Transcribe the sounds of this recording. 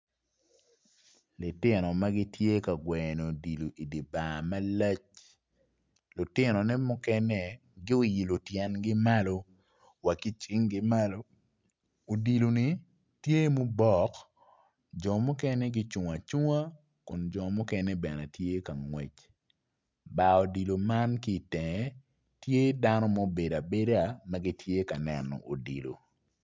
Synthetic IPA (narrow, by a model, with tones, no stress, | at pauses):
lɪ˨tɪ˦nɔ˨ma˦ɡɪ˦tje˦ka˨ɡwɛ˨no˨di˨lo˨ʔi˨di˨ba˨ma˦la˦t͡ʃ | lʊ˨tɪ˦nɔ˨nɛ˦mʊ˦kɛ˦nɛ˦ | ɡɪ˦o˦ji˨lo˨tjɛ˨nɡɪ˦ma˦lo˦ | wa˨ki˦t͡ʃɪ˦ŋɡɪ˦ma˦lo˦ | o˨di˨lo˨ni˨ | tje˦mo˦bɔ˦˨k | d͡ʒɔ˨mʊ˦kɛ˦nɛ˦ɡɪ˦t͡ʃu˨ŋa˨t͡ʃu˦ŋa˦ | kʊ˨nd͡ʒɔ˨mʊ˦kɛ˦nɛ˦bɛ˨na˨tje˦ka˨ŋwe˨t͡ʃ | ba˨ɔ˨di˨lo˨ma˦nki˦˨tɛ˨ŋɛ˨ | tje˦da˦nɔ˦mo˦be˨da˨be˦da˨mɐ˦ɡi˦tje˦ka˨nɛ˨nɔ̰˨ʔo˨dḭ˨lo̰˨